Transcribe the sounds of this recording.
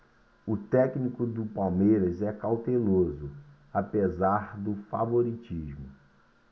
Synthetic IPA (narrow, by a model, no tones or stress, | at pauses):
ʊt̪ɛknikʊd̪ʊpawmejɾɐzɛkawt̪elozʊ | apezaɾd̪ʊfavoɾit͡ʃiʒmʊ